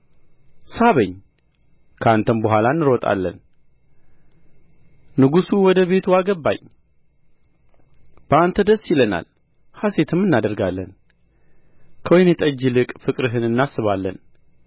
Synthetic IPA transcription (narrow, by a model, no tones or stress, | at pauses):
saβəɲː | kʰəant̪ʰənbəɦʷwalanːɨɾɔt̪ʼa̰lːə̰n | nɨɡusuwɔd̪əβe̞t̪ʰuaɡəbːa̰ɲ | b̥əant̪ʰəd̪əsjɪləna̰l | hase̞t̪ʰɨmːɨnːad̪əɾɡalːən | kʰəwɔjnjɛt̪ʼəd͡ʒːilɨkʼfɨkʼɾɨɦɨnɨnːasːɨβalːə̰n